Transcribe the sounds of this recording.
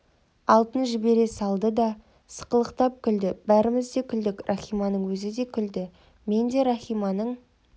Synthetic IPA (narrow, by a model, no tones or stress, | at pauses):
ɑlˠt̪ənʒɪbe̞ɾe̞sɑlˠd̪əd̪ɑ | sə̥qəlˠəqt̪ɑp̚kʲʰʏld̪ɪbæɾɪmɪzd̪e̞kʲʰʏld̪ɪkrʔɑχijmɑnəɴwɵzɪd̪e̞kʲʰʏld̪ɪ | me̞nd̪e̞ɾɑχijmɑnəɴ